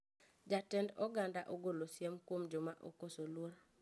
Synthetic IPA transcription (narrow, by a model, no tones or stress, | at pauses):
d͡ʒatɛndɔɡandaʔoɡolosjemkwomd͡ʒomaʔokosolwoɾ